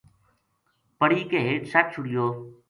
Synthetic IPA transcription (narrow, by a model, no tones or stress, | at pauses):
pəɽiːkeːɦeːʈsaːʈ̚t͡ʃʰʊɽɪjoː